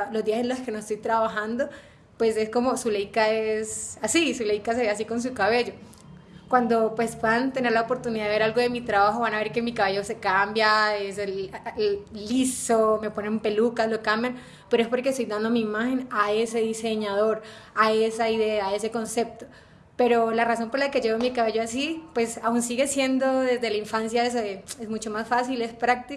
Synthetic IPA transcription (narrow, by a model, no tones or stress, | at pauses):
lo̞zd̪iasenloske̞noest̪ojt̪ɾaβaxand̪o̞ | pwe̞se̞sko̞mo̞sulejkaesasisule̞jkas̬e̞βeas̬iko̞ns̬ukaβe̞ʝo̞ | kwand̪o̞pwe̞spweðant̪e̞ne̞ɾlaopo̞ɾt̪uniðaðeeɾalɡo̞ðe̞mit̪ɾaβaxoβanaβe̞ɾke̞mikaβe̞ʝo̞se̞kambjaese | lisome̞po̞nemmpe̞lukaslo̞kambjan | peɾoe̞spo̞ɾkest̪ojd̪and̪omiːmaxe̞nae̞se̞ðise̞ɲaðo̞ɾ | ae̞saiðe̞aːe̞se̞ko̞nse̞p̚t̪o̞ | pe̞ɾo̞laraso̞mpolake̞ʝe̞βomikaβaʝoas̬ipwe̞saunsiɣe̞sje̞nd̪o̞ðezðe̞laiɱfansjaes̬oðeezmut͡ʃo̞masfasile̞spɾak̚t̪i